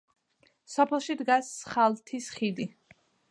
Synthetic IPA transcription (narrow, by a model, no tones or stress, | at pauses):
sɔpʰɛlˠʃid̪ɡasχalˠt̪ʰisχid̪i